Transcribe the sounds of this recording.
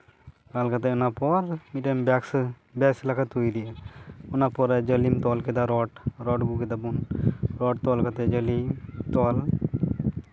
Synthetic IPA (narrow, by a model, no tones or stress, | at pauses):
kalkat̪ɛɔnapɔɾmiʈembɛks | bɛslakʰat̪ujd̪iaɔnapɔɾd͡ʒəlimt̪ɔlked̪aɾɔʈɾɔʈɡuked̪abunɾɔːʈ̚t̪ɔlkat̪ɛd͡ʒəlimt̪ɔl